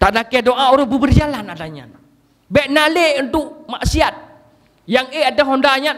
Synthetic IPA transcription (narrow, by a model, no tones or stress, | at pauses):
t̪aʔdakɛdoʔauɾʊbəbərd͡ʒalanadaɲa̰n | bɛʔnaleunt̪ʊʔmaʔsiat̪̚ | jaŋeadaɦɔndaɲa